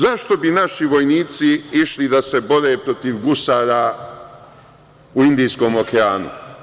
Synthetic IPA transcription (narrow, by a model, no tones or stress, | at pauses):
zaʃt̪o̞binaʃiʋo̞jniːt̪siiʃlid̪ase̞bo̞ɾe̞ːpɾo̞t̪iʋɡusaːɾa | uind̪iːsko̞ːmo̞keaːnṵ